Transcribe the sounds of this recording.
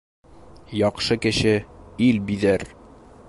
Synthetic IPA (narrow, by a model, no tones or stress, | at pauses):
jɒqʃɤkɘ̆ɕɘilbiðæɾ